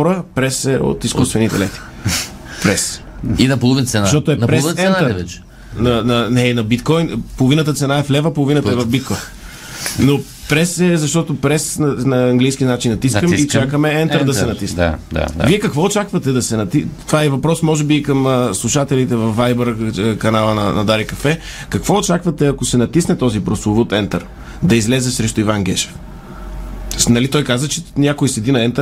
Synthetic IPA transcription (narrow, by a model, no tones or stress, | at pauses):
ɔɾəpɾɛsɛo̰t̪iskust̪vɛnit̪ɛ̰lɛt̪i̥ | pɾɛs | inɐpolˠovinsɛnʃʃt̪ɔt̪oɛnpɾɛɛɛnəɾvɛt͡ʃɛ̥ | nɐnɐnɛinɐbit̪kɔjnpolˠovinət̪̬ət̪sɛnaɛflɛvəpolˠovinət̪ɐɛvɐfbit̪kɔjn | no | pɾɛsɛzɐʃt̪ɔt̪opɾɛsnɐnɐɐŋɡlijsk̟ʲinat͡ʃinɐt̪isəikt͡ʃakəmɛɛnt̪əɾd̪ɐsɛnɐt̪isd̪a̰d̪a̰viɛkɐkvɔot͡ʃakvɐt̪ɛd̪ɐsɛnɐt̪it̪ovaɛvɐpɾɔsmɔʒɛbiːkɐməslˠuʃat̪ɛlit̪ɛvɐfvːajbəɾkɐnalˠənɐ̰nɐd̪aɾikɐfɛ | kɐkvɔot͡ʃakvɐt̪ɛɐkosɛnɐt̪isnɛt̪ɔzipɾoslˠovut̪ɛnt̪əɾ | d̪ɐizlɛzɛsɾɛʃt̪oivanɡ̟ɛʃɛ̥f | nɐlit̪ɔjkazət͡ʃɛnʲakʊisɛd̪inɐɛnt̪ə